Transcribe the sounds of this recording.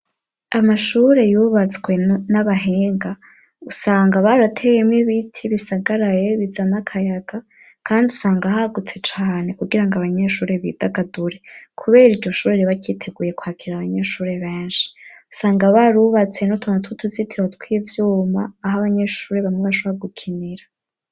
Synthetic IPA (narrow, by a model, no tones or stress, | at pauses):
amaʃuɾe̞juβat͡swe̞naβaɦeːŋɡa | usaːŋɡaβaɾatʰe̞jemŋiβitʰiβisaɡaɾaje̞βizanakʰajaɡa | kʰaːndiusaːŋɡahaɡut͡se̞t͡ʃaːne̞kuɡiɾaŋɡaβaɲe̞ʃuːɾe̞βḭːdaɡaduɾe̞kʰuβe̞ːɾiɾɟo̞ʃuːɾeɾeβacitʰe̞ɡuːje̞kwhaːkʰiɾiɾaβaɲe̞ʃuːɾe̞βeːnʃi̥u̥saːŋɡaβaɾuβat͡se̞nutʰonatutʰuzitʰiwatkwiːjevjuːmaːɦaβaɲe̞ʃuːɾe̞βaŋeβaʃo̞βoaɡukʰiniɾa